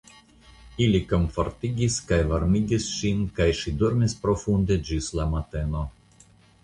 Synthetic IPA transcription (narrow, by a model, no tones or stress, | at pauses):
iliko̞nfo̞ɾt̪iɡiskajvaɾmiɡisʃinkajʃid̪oɾmispɾo̞fund̪ed͡ʒislamat̪e̞no̞